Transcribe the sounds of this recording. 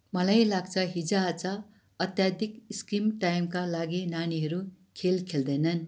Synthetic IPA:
mʌlajlaɡt͡sʰʌɦid͡zat͡sʌ | ʌt̪jad̪ʱikiskimʈajmkalaɡinaniɦʌɾu | kʰelkʰeld̪ʌjnʌn

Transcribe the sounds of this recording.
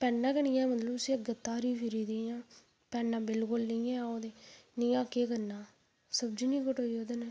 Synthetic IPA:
pɛːnːãːkəɳɪ̃ːãːmət̪ləbsĩːəɡət̪ːaːɾiːpʰɪɾiːd̪eːjãː | pɛːnːaːbɪlkʊlnəĩːɛ̃ːoːd̪eːnĩːãːkeːkənːaː | səbd͡ʒiːnĩːkəʈoːioːd̪əneː

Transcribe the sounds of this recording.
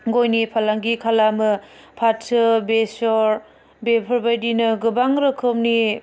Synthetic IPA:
ɡojnipʰalaŋɡikʰalamɯpʰatsɯbesɔɾ | bepʰɯɾbajdinɯɡɯbaŋɾɯkʰɯmni

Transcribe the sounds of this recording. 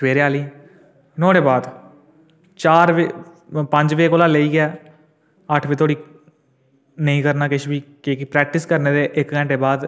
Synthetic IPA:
sʋeːɾaːliː | noːɽeːbaːd̪ | t͡ʃaːɾʋ | pəɲd͡ʒʋeːkoːlaːleiːɡɛː | əʈʰʋiːt̪ʰoːɽiː | nəĩːkəɾnaːkɪʃʋiːkekipɾɛːk̚ʈɪskəɾneːd̪eːʔɪkkɛ̃ːɳʈeːbaːd̪

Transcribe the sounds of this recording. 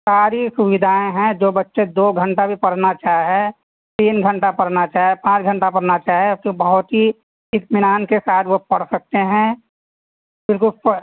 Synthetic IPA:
saːɾisʊʋɪd̪ʱaːẽɦɛ̃d͡ʒoːbətːʃed̪oːɡʱə̃ɳʈabʱipɐɽ̤nat͡ʃaːɦɦɛ | t̪iːnɡʱɐ̃ɳʈapɐɽ̤nat͡ʃaːɦɛpãːt͡ʃɡʱə̃ɳʈapɐɽ̤nat͡ʃaːɦkibɐɦʊt̪ɦi | ɪt̪mɪnaːnkesaːt̪ʰʋopɐɽ̤sɐk̚t̪eɦɛ̃ | bɪlkʊlpə

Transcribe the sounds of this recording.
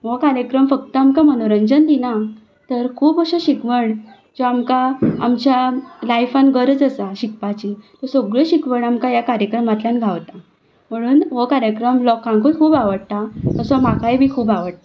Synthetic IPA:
ʋokaɾjəkɾəmfək̚t̪əamkamənoɾəɲd͡ʑənd̪ina | t̪əɾkʰuːpəɕɔɕikʋəɳ | d͡zoamkaa̰mt͡ɕjalajfãnɡəɾd͡zəsaɕik̚pat͡ɕit̪ɔsoɡɭəɕikʋəɳamkajakaɾjəkɾəmat̪ljanɡʱaʋt̪a | m̤əɽ̃uːnʋokaɾjəkɾəmlɔkãŋkokʰuːbaʋəɽt̪ak̪əsɔmakajbʱiːkʰuːbaʋəɽt̪a

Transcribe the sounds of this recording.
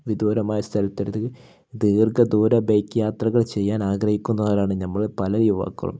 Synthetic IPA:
ʋid̪oːɾɐmaːjɐst̪ʰɐlɐt̪ːiɾðɨ | d̪iːrɡɐd̪uːɾɐbejkːjaːt̪rɐɣɐɭt͡ɕe̞jːaːnaːɡrɐhikʲːunːɐðoːɾaːɳɨnɐmːɐɭpɐlɐjuʋa̰ːkːɐ̰ɭɐ̰m

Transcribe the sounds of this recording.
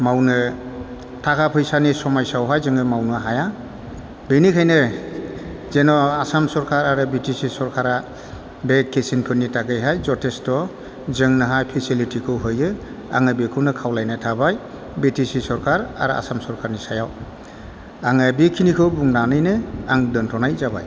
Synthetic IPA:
mawnɯ | tʰakʰapʰɯjsanisɔmajsawɦajzɯŋɯmawnɯɦaja | benikʰajnɯ | zenɔasamsɔɾkʰaɾaɾɯbitisisɔɾkʰaɾa | bekʰːesinkʰɯnːitaɡɯjɦajzɔtʰestɔ | zɯŋnɯɦajpʰisilitikʰɯwɦɯjɯ | a̰ŋɯbikʰɯnɯkʰawlajnatʰabaj | betisisɔɾkʰaɾa̰ɾɯa̰samsɔɾkʰaɾnisajaw | aŋɯbikʰːinikʰɯwbuŋnanɯjnɯaŋdɯntʰɔnajzaba̰j

